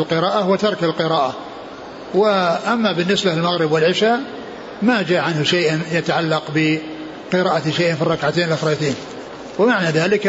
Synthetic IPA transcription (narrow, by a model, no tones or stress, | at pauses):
lqɨɾɑːʔahwat̪ɑɾˤkalqɨɾɑːʔa | wɪʔamːabɪnːɪsbalmaɣɾɪbwɪlʕɪʃaː | mad͡ʒaːʕanhʊʃajʔjat̪aʕalːɑqbɪ | qɨɾɑːʔat̪ʃajʔnfirˤːɑkʕat̪eːnɪlʔaxɾˤɑːjt̪eːn | wɪmaʕnaðaːlɪk